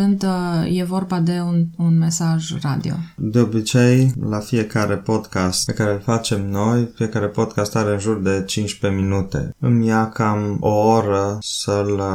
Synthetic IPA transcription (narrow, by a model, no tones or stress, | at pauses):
ɨnd̪je̞vo̞rbad̪e̞ununme̞saʒra̰d̪ḭo̞̰d̪e̞o̞bit͡ʃe̞jlafije̞kaɾʔe̞po̞d̪kast̪pe̞kaɾe̞ulfat͡ʃe̞mno̞jfije̞kaɾe̞po̞d̪kast̪aɾeɨnʒurd̪e̞t͡ʃint͡ʃpe̞minut̪e̞̰ɨmijakamooɾəsəl